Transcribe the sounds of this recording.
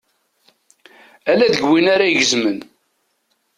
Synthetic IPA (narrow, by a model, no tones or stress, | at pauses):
ælæd̪əɡwinaɾaʝəzmən